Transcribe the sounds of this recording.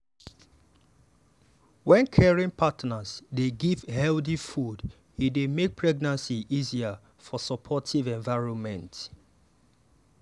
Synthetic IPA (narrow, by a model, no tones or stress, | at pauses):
wɛ̃nkʰɛɹĩŋpʰatnazdeɡiv̥hɛlðifud | hidemek̚pʰɹɛɡ̚nãnsiʔizia | fɔsɔpʰɔtʰivɛ̃ɱvaɪɹɔ̃nmɛ̃nt